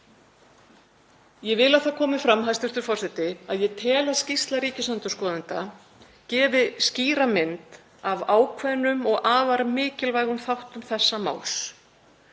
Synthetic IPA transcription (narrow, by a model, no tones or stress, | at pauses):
jɛvɪlaðθakʰɔːmɪfɾamɦajst̪ɪɾ̥t̪ʏɾ̥fɔr̥sɛt̪ɪaðjɛt̪ʰɛːlascist̪laɾiːcɪsant̪ʏskɔːðant̪a | cɛːvɪsciːɾamɪnt̪ | avaːwkʰvɛðnːʏmɔɣʔaːvaɾamɪːcɪlvaːjɣʏmθawht̪ʏmθɛsːama̰ːws